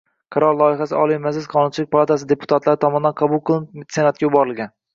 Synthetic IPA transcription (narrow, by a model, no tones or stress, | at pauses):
qʰɑɾɒɾlˠɒɪɦasɪɒ̰lˠijmazlɪzqʰɒnʊnt͡ʃʰɪlɪk̚ʲpʰalˠat̪ʰas̬ɪd̪e̞pʰʊ̥t̪ʰat̪laɾɪt̪ʰɒmɒnd̪anqʰɑbulˠqʰɨlˠɪsenat̪̚kʲajʊbɒɾɪlˠɡʲan